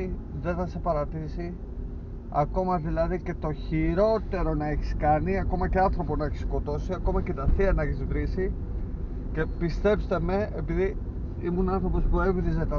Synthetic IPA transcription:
iðe̞θɐse̞pɐɾɐt̪isi | ɐ̰ko̞mɐðilɐðice̞t̪o̞çiɾo̞t̪e̞ɾo̞nɐe̞çi̥skɐniɐko̞mɐce̞ɐnθɾo̞ponɐeçisko̞t̪o̞siɐko̞mɐce̞t̪ɐθiɐnɐeçizvɾisi | ce̞pist̪e̞pst̪e̞me̞epiði | imunɐnθɾo̞po̞spue̞vðizet̪ɐ

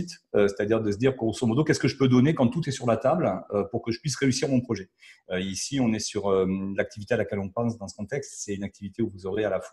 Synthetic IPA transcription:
it̪øse̥t̪ad̪iʁd̪əs̬əd̪iʁkɔʁosɔ̃mɔd̪okʲɛskəʒəpød̪ɔnekɑ̃t̪ut̪ɛsyʁlat̪abløpuʁkəʒəpɥisʁeysiʁmɔ̃pχɔʒɛøisiɔ̃nɛsyʁølak̚t̪ivit̪ealakʲɛlɔ̃pɑ̃sd̪ɑ̃sə̥kɔ̃t̪ɛkst̪sɛynak̚t̪ivit̪euvuzɔʁealafwa

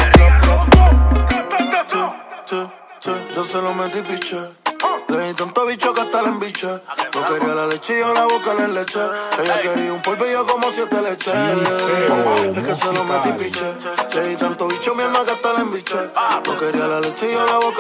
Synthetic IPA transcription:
t͡ʃ | t͡ʃed͡ʒoselomẽt̪ipit͡ʃe | leĩt̪ãnt̪oβit͡ʃokat̪alembit͡ʃanokeɾialalet͡ʃijolaβokalenlet͡ʃeejokeɾiumpolpijokomosjet̪alet͡ʃe | ekeselomẽt̪ipit͡ʃeleĩt̪ant̪oβit͡ʃomjamãkat̪alembit͡ʃano̰keɾialalet͡ʃijolaβok

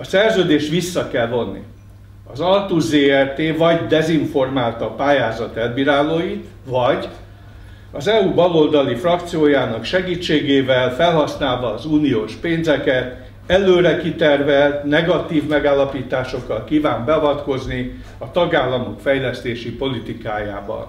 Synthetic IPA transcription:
ɒsɛrzøːd̪eːʃt̪ʋisːɒkɛlvo̞nːḭ | ɒzɒlt̪uzeːɛrt̪eːvɒɟd̪ɛziɱfo̞rmaːlt̪ɒpaːjaːzɒt̪ɛlbiɾaːloːjit̪ | vɒɟ | ɒzɛubɒlo̞ld̪ɒlifrɒk̚t̪sijoːjaːnɒkʃɛɡiːt͡ʃːeːɡeːvɛlfɛlɦɒsnaːlvɒːzuːnijoːʃpeːnzɛkɛt̪ | ɛløːɾɛkit̪ɛrvɛlt̪nɛɡɒt̪iːvmɛɡaːlːɒpiːt̪aːʃo̞kːɒlkiːvaːmbɛɒvɒt̪ko̞zni | ɒt̪ɒɡaːlːɒmokfɛjlɛst̪eːʃipo̞lit̪ikaːja̰ːbɒ̰n

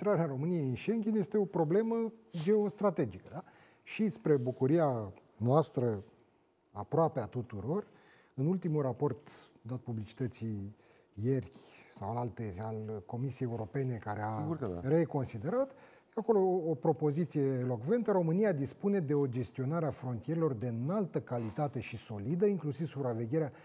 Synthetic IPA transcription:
t̪ɾaɾeaɾo̞mɨnije̞jinʃe̞ŋɡʲenje̞st̪e̞o̞pɾo̞ble̞məd͡ʒe̞ost̪ɾat̪e̞d͡ʒikəd̪a | ʃispɾe̞bukuɾia | nowast̪ɾə | apɾoapeat̪ut̪uɾo̞r | ɨnult̪imulrapo̞rt̪ | d̪at̪̚publit͡ʃi̥t̪ət̪si | jerʲsawalt̪e̞alko̞misijejeuɾo̞pe̞ne̞kaɾe̞are̞ko̞nsid̪e̞ɾat̪ | ako̞lo̞ːpɾo̞po̞zit̪sije̞ːlo̞kve̞nt̪əɾo̞mɨniad̪ispune̞d̪e̞o̞d͡ʒe̞st̪io̞naɾeafɾo̞nt̪ije̞ɾelo̞rd̪eɨnalt̪əkalit̪at̪e̞ʃiso̞lid̪əiŋklusivsupɾave̞ɡʲeɾea

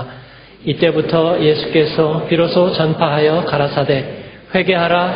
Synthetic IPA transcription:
it͈e̞butʰʌje̞sʰu̥k͈e̞sʰʌpiɾosʰot͡ɕʌnpʰaɦajʌkaɾasʰade̞ | ɸwe̞ɡe̞ɦaɾa

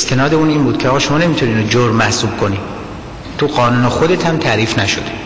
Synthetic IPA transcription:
est̪ʰe̞nɒːd̪e̞uːniːmbuːd̪̥̚kʰʲeɒːɣːʃo̞mɒːne̞mit̪ʰuniːnod͡ʒoɾmæhsuːb̥̚kʰo̞ni | t̪ʰuɢɒːnuːnexod̪e̞t̪ʰhæmt̪ʰæɾiːfnæʃo̰d̪e

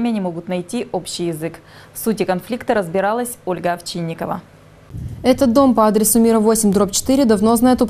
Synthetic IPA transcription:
mʲɪjənʲɪmo̞ɡʊt̪nɐjtʲiʔo̞pɕɪjɪzɨk | fsutʲɪkɐnflʲikt̪əɾəzbʲɪɾɑlˠəsʲo̞lʲɡəɐft͡ɕinʲːɪkəvə̰ | ɛt̪ət̪̚d̪o̞mpɐad̪ɾʲɪsʊmʲiɾəvo̞sʲɪmʲd̪ɾop̚t͡ɕɪ̥t̪ɨɾʲɪd̪ɐvno̞znajot̪ʊp

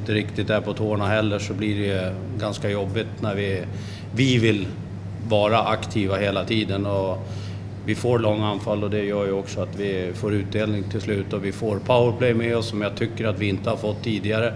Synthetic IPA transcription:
nt̪əɾɪkt̪ɪt̪æpʰɔt̪ʰoːɳaɦɛlːəʂɔbliɖɛ | ɡanskajɔbːɪt̪næɾvɪ | vɪvɪl | vɑːɾaʔakt̪ʰiːvaɦeːlat̪ʰiːd̪ənɔ | vɪfoːɾɭɔŋːanfalːɔd̪ɛjœːɾjəɔksɔat̪vɪfoːɾʉ̟ːt̪̚d̪eːlnɪŋt̪ʰɪlslʉ̟ːt̪ɔvɪfoːɾpʰaʊəɾpʰlɛjmɛɔsːɔmjat̪ʰʏkːəɾat̪vɪɪnt̪əhaɾfɔt̪ʰːiːd̪ɪɡaɾə

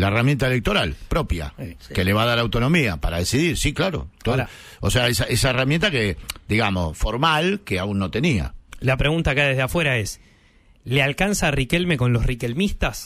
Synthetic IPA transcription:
laeramjent̪aele̞k̚t̪o̞ɾalpɾo̞pja̰ke̞le̞β̞aðaɾawt̪o̞no̞miapaɾaðesiðiɾsiklaɾo̰t̪o | oseaesaʔesaeramjẽnt̪aked̪iɣamo̞sfo̞ɾmalkeaunːo̞t̪e̞nia̰lapɾeɣunt̪akajðeðeafweɾaes | lealkansarikelmeko̞nlosrikelmist̪as

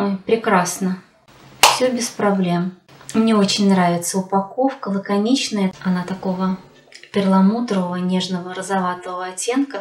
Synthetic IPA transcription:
ojpɾʲɪkɾasnə | fsʲɵbʲɪspɾɐblʲe̞m | mnʲe̞ot͡ɕɪnʲnɾavʲɪt̪səʊpɐko̞fkəlˠəkɐnʲit͡ɕnəjəɐnat̪ɐko̞və | pʲɪrlˠɐmut̪ɾəvəvənʲe̞ʐnəvəɾəzɐvat̪əvəvəɐtʲːe̞nkə

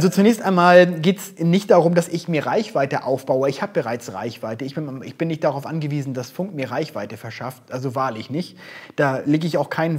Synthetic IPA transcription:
ʔalzot͡sunɛːçstʔaɪnmaːlɡeːtsnɪçtd̥aːʁʊmdasɪçmiːɐʁaɪçv̥aɪtəʔa̰ʊfb̥aʊəɪçhaːbəbəʁaɪt͡sʁa̰ɪçv̥aɪtəɪçb̥ɪɪçb̥ɪnːɪçtd̥aʁaʊfʔa̰nɡəviːzn̩d̥asfʊŋktmiːɐʁaɪçv̥aɪtəfɛɐʃaftʔalzovaːɐlɪçnɪçtd̥aːleːɡəɪçaʊxkʰaɪn

